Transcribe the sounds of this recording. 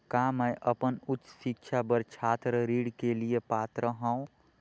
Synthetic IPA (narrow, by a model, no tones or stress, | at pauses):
kaːmə̃ʔʔəpənʊtːʃɪkʃʰabəɾt͡ʃʰaːt̪ɾəɾiːɽkeliepaːt̪ɾəɦə̃ũ